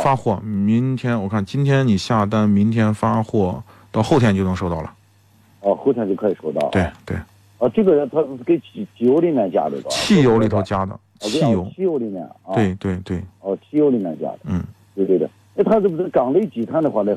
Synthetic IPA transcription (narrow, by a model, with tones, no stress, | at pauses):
fa˥xwɔ˥˩mi˧˥ŋt̪ʰjɛ˥nwɔ˨˩kʰa˥˩nt͡ɕi˥nt̪ʰjɛ˥nni˨˩ɕja˥˩t̪a˥nmi˧˥ŋt̪ʰjɛ˥nfa˥xwɔ˥˩ | t̪ɑ˥˧ʊxo˥˧t̪ʰjɛ˥˧nt͡ɕjo˥˩nɤ˧˥ŋʂo˥˧t̪ɑ˥˩ʊlə˩ | ɔ˧xo˥˩ʊt̪ʰjnt͡ɕo˥˩kʰɤ˧˥˩i˨˩ʂo˥ʊt̪ɑ̰˥˩ʊt̪we˥˩ɪt̪we˥˩ɪ | ɔ˧ʈ͡ʂɤ˥˩ɡə˩˧˥t̪ʰa˥˧˥ke˧˥ɪt͡ɕt͡ɕi˨˩jo˧˥ʊli˧˥mjɛ˥˧nt͡ɕja̰˥˩d̪ə̰˩ə̰˧˩t͡ɕʰi˥˩jo˧˥ʊli˨˩t̪ʰo˧˥ʊt͡ɕja˥d̪ə̰˨˧t͡ɕi˩˥˩jo˧˥ʊt͡ɕʰi˥˧jo˧˥ʊli˧˩mjɛ̰˥˩n˧we˧˥˩ɪt̪we˥˧ɪt̪we˥˩ɪɔ˥˧˩t͡ɕʰi˥˩jo˧˥ʊli˧˩mʲjɛ̰˧nt͡ɕja̰˥d̪ə˧n̩˥˩t̪we˥˧ɪt̪we˥˩t̪we˥˩ | e˥t̪ʰa˥˩u˧˩˥kɑ˨˩ŋlə˧˥i˥t͡ɕi˨˩t̪ʰa˥nd̪ə˧xwa˥˩lə˥˧